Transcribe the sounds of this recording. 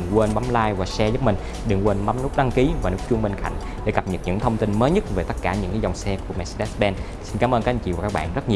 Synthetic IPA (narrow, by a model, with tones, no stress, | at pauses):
ŋkwe˧nɓa˨˦mlaː˧jvaː˨˩sɛ˧zə˨˦˥mï˨˩ŋ̟ | ɗɨ˨˩ŋkwe˧nɓa˨˦mnu˦˥k͡p̚ɗa˧ŋki˨˦vaː˨˩nu˦˥k̚t͡ɕu˧əŋɓe˧nka̰˧˨jŋ̟ | ɗḛ˧˩˦ɣa˨˩p̚ɲə˨˩t̚ɲɨ̰˧˥ŋt̪ʰə˧wŋ͡mt̪i˧nməː˨˦jɲə˦˥t̚ve˨˩t̪ə˦˥t̚kaː˧˩ɲɨ̰˧˥ŋkːzɔ˨˩wŋ͡msɛ˧ku˧˩əmɛ˧si˧ɛ˦˥sɓɛ˧n | si˧nkaː˨˦mʔəː˧nkaː˦˥ʔt͡ɕḭ˧˨vaː˨˩kːaː˦˥ɓa̰ː˧˨nzə˦˥t̚ɲi˨˩